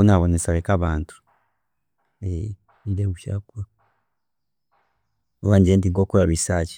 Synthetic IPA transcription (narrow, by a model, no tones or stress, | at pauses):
unaβonesaβekaβaːntu̥ | e | nideβuʃakua | oβanɲd͡ʒieːndiŋkokoɾaɾisat͡ʃi̥